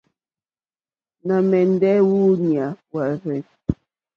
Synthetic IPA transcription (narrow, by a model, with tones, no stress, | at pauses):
na˨mɛ˨n̩˦dɛ˦wu˦ni˨a˨wa˨ɾɛ˨